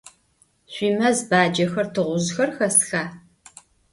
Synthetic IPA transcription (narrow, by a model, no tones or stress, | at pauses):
ɕʷiːmɐzbaːd͡ʒɐxɐrtʰɨʁʷʊʑxɐrxɐsxaː